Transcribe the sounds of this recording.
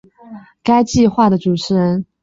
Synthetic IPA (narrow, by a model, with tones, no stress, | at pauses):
ka˥ɪt͡ɕi˥˧xwa˥˩d̪ə˩ʈ͡ʂu˨˩ʈ͡ʂʰɻ̩˧˥ɻə˧˥n